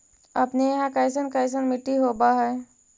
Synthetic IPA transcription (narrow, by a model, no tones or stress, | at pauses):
əpnejɦãkəɪs̬ənkəɪs̬ənmɪʈːiɦobaɦɛː